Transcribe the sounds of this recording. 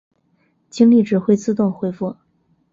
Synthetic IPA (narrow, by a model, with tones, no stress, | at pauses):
t͡ɕi˥ŋli˥˩ʈ͡ʂɻ̩˨˩xwe˥ɪt͡sɹ̩˥˧t̪ʊ˥˩ŋxwe˥ɪfu˥˩